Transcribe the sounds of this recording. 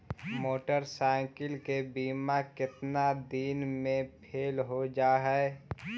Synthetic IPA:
moːʈəɾsaːɪ̃kɪlkebiːmakɪt̪nad̪iːnmẽpʰeːlɦod͡ʒaːɦɛ

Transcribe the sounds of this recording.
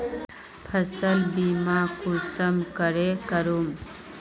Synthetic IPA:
pʰəsəlbimakusəmkəɾekəɾum

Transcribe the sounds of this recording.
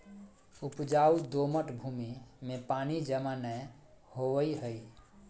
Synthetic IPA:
upd͡ʒaud̪oməʈbʱumimepanid͡ʒəmanə | hoʋəiɦəj

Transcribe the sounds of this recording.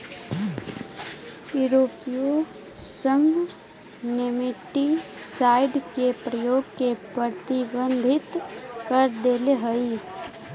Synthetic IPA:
juɾoːpijo | sə̃ŋɡ | nɪmɪʈːisaːɪɖkepɾəjoːɡkepɾəɾt̪ɪbə̃nd̪ʱɪt̪kəɾd̪eːleɦəi

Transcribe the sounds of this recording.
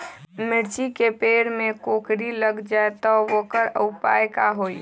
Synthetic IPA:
mɪɾt͡ʃikepeːɾmẽkoːkɾiləɡd͡ʒaet̪ɔʋokəɾəʊpa̰ːjkaɦoːi

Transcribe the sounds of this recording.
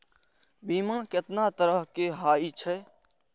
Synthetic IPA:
biːmãket̪nat̪əɾəɦkeɦaːit͡ʃʰɛ

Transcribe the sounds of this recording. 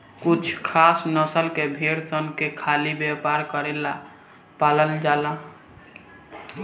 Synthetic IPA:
kut͡ʃʰkʰasnəsəlkebʱeɽsənkekʰalibjepaɾkəɾela | paləld͡ʒala

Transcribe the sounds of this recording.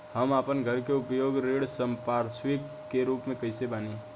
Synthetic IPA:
həmaːpənɡʱəɾkeʊpjoːɡɾeːɽsəmpaːɾswɪkːeɾuːpmẽkəɪsebaːne

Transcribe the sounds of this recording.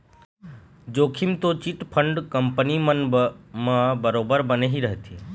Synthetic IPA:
d͡ʒoːkʰimt̪ot͡ʃiʈpʰəɳɖkəmpənimənmãbəɾoːbəɾbəneɦiɾəɦt̪ie

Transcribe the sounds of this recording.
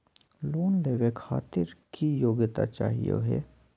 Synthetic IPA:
loːnleːʋekʰa̰ːt̪ɪɾkʰijoːɡt̪a̰t͡ʃa̰ːɦijḛɦḛː

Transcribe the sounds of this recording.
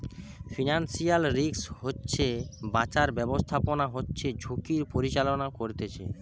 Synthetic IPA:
finansialɾikshotːɕʰebat͡ɕaɾbɛbost̪ʰaponaɦotːɕʰed͡ʑʱokiɾpoɾit͡ɕalonakoɾt̪et͡ɕʰḛ

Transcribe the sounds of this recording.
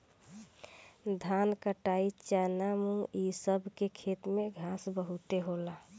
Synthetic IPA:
d̪ʱankəʈait͡ʃanamũisəbʱkekʰet̪meɡʱasbəɦut̪eɦola

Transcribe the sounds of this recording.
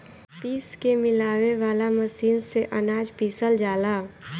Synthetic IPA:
piːskemɪlaːweʋaːlaməsiːnseʔɐnaːd͡ʒpiːsəld͡ʒaːlaː

